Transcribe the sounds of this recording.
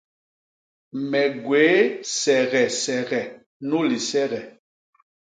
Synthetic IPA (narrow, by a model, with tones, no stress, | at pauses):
mɛ˨ɡweː˨˦sɛ˨ɣɛ˨sɛ˨ɣɛ˨ | nu˦li˨sɛ˦ɣɛ˨